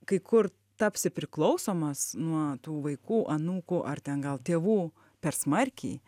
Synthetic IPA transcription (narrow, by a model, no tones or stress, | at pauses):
kɐɪkʰʊr | t̪ɐpʲsʲɪpʲɾʲɪklˠɐʊsoːmɐsnuɔt̪uːʋɐɪkuːʔɐnuːkʊʔɐrt̪ʲɛnɡɐlˠt̪ʲeːʋuː | pʲɛrsmɐrʲkʲḭː